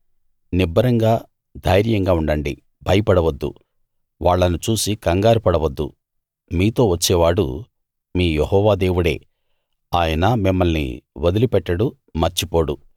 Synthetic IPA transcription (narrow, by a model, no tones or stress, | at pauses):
nibʱːɐɾɐŋɡaː | d̪ʱɐjɾjɐŋɡaːuɳɖɐɳɖi | bʱɐjɐpɐɽɐʋɐd̪ːṵ | ʋaːɭːɐnut͡ʃuːsikɐŋɡaːɾipɐɽɐʋɐd̪ːṵ | miːt̪o̞ːʋɐt͡ʃːɛːʋaːɽṵ | miːjehɔːʋaːd̪eːʋuɽe̞̰ː | aːjɐnɐmimːɐlnḭʋɐd̪ulipɛʈːɐɽu | mɐɾt͡ʃipo̞ːɽu